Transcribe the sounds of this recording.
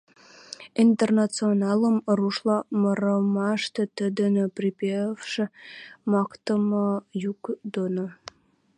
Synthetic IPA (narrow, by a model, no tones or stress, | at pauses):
int̪ernɑt͡sionɑləmɾuʃlˠɑməɾəmɑʃt̪ə̆t̪əd̪ə̆nəpripʲefʃĕmɑkt̪əmɑjukd̪ono